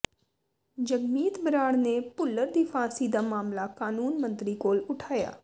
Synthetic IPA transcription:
d͡ʒəɡmiːt̪bəɾaːɽneːpʊlːəɾd̪iːpʰãːsiːd̪aːmaːmlaːkaːnuːnmənt̪ɾiːkoːlʊʈʰaːja̰ː

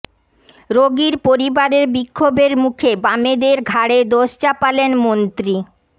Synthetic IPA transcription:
ɾoɡiɾpoɾibaɾeɾbikʰːobeɾmukʰebamed̪eɾɡʱaɽed̪oʃt͡ɕapalenmont̪ɾi

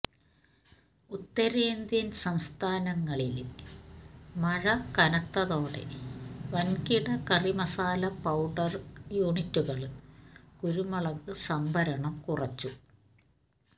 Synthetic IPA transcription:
ut̪ːɐɾeːnd̪jɐnsɐmst̪ʰaːnɐŋːɐɭilil | mɐɻɐkɐnɐkt̪ːɐðo̞ːɽe̞̰ʋɐnkiɽɐkɐrimɐsaːlɐpɐwɖɐrjuːɳitːuɣɐɭ | kuɾumɐɭɐðɨsɐmbʱɐɾɐɳɐmkurɐt͡ɕːu

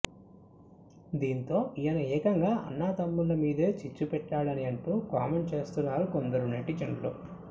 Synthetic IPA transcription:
d̪iːnt̪o̞ːʔijɐnɐɛːkɐŋɡaːʔɐ̰nːaːt̪ɐmːulɐmiːd̪eːt͡ʃit͡ʃːupɛʈːaːɭɐniɐɳʈuːkaːme̞ɳt͡ʃe̞ːst̪unːaːɾukond̪ɐɾunɐʈit͡ʃɐɳlo̰

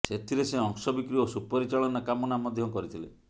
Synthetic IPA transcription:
set̪ʰiɾeseɔŋsɔbikɾiosupɔɾit͡ʃaɭɔnakamɔnamɔd̪ʱjɔkɔɾit̪ʰile

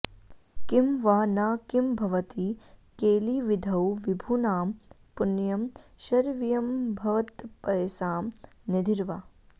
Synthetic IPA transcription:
kimʋaːnaːkimbʱɐʋɐt̪ikeːliːʋid̪ʱɐwʋibʱuːnaːm | punjɐmʃɐɾʋijɐmbʱɐʋɐt̪pɐjsaːmned̪ʱiɾʋaː

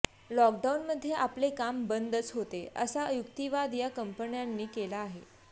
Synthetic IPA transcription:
lɔk̚ɖaunməd̪ʱːjeʔaplekambənd̪ʱət͡sɦot̪eə̰saəjuk̚t̪iʋad̪jakəmpəɳjanːiːkelaːɦe

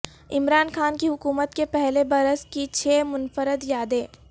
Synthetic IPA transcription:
ɪmɾaːnxaːnkiɦʊkuːmət̪kepɛɦlebɐɾəskit͡ʃʰeːmʊnfəɾəd̪jaːd̪eː

